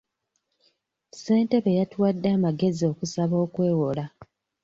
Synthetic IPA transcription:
se̞ːnte̞βe̞jatwadːaːmaɡe̞zio̞kusaβo̞ːkwe̞ːwo̞la

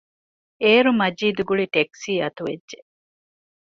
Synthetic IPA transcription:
eːɾumɐd͡ʒiːd̪uɡuɭiʈeksiːɐt̪uʋeːʒe

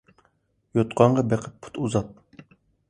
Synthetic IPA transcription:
jot̪qɑɴʁɑbɛqʰəpːʰu̥t̪ʰuzɑt̪̚

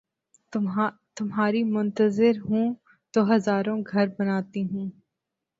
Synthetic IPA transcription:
t̪ʊmɦaːɾimʊ̃nt̪əzɪɾɦũː | d̪̥oːɦɐzaːɾõɡʱɐɾbɐnaːt̪iɦũː

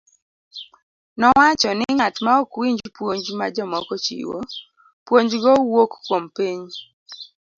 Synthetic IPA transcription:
nɔwat͡ʃɔnɪŋatmaokwiɲd͡ʒpwoɲd͡ʒmad͡ʒɔmɔkɔt͡ʃḭwo̰ | pwoɲd͡ʒɡɔwokːwompiɲ

